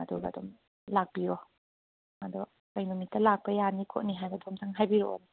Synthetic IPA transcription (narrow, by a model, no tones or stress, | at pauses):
adubɐ̰dɔm | lak̚b̥iɾɔ | madɔ | kajnumitːɐlak̚pɐjanikʰo̰tniɦajbɐdɔmtʰaŋɦajbiɾɔ̰ɔ̰ni